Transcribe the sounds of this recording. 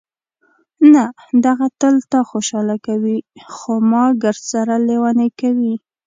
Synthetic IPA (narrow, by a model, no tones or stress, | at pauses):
na | d̪aɣat̪əlt̪ɑxoʃɑlakawixomɑɡəɾd̪saɾalewanekawi